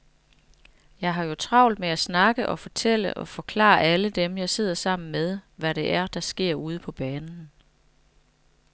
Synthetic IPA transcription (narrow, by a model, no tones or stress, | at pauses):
jɑ̈ɪɦɑ̈jo̝t͡sʰʁɑ̈ʊ̰ld̥meæsnɑ̈ɡ̥əʔɒ̽fɒ̽t͡sʰel̰əʔɒ̽fɒ̽kʰlɑ̰̈ːʔæləd̥emjɑ̈ɪse̝ð̞̰ˠɐsɑ̈m̰n̩með̞ˠʋæɾe̝ʔæɐd̥ɑ̈sɡ̥e̝ɐ̰uːð̞ˠəpʰɒ̽b̥ɛːnn̩